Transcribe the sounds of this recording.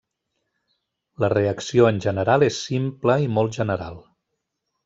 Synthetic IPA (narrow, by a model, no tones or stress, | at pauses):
ləreəksioənʲʒənəɾalˠesːimpləimɔlˠʒənəɾa̰lˠ